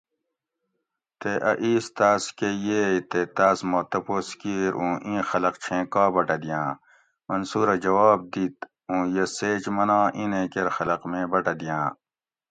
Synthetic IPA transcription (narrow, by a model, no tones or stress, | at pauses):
t̪eʔɐ̰ʔiːst̪aːskejeːit̪et̪aːsmot̪ɐposkiɾʔũːʔĩːxɐlɐqt͡ɕʰẽːkaːbɐʈɐd̪ijãː | mɐnsuːɾɐd͡ʑɐwaːb̚d̪it̪ | ũːjeseːt͡ʃmɐnãːʔĩnẽkeɾxɐlɐqmẽːbɐʈɐd̪ijãː